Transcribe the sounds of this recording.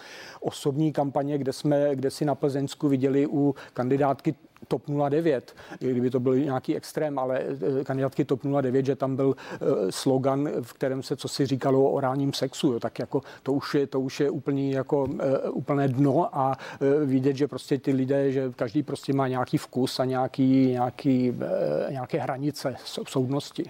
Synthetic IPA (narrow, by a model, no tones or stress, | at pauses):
ʔosobɲiːkampaɲɛɡdɛsmɛɡdɛsɪnapl̩zɛnskuvɪɟɛlɪʔukandɪdaːt̪kɪt̪opnuladɛvjɛt̪ɡdɪbɪt̪o̞bɪlɲaːkiːɛkst̪ɾɛːmʔalɛkandɪdaːt̪kɪt̪opnuladɛvjɛd̪ʒɛt̪ambɪlsloɡanfkt̪ɛɾɛːmsɛt͡sosɪriːkaloʔo̰ɾaːlɲiːmsɛksujoːt̪akjako̞t̪ouʃjɛt̪ouʃjɛʔuːpl̩ɲiːjakoʔuːpl̩nɛːdnoʔavɪɟɛt̪ʒɛpɾoscɛt̪ɪlɪdɛːʒɛkaʒdiːpɾoscɛmaːɲɛakiːfkusaɲɛakiːɲaːkiːɲɛakɛːɦɾaɲɪt͡sɛsosowdnoscɪ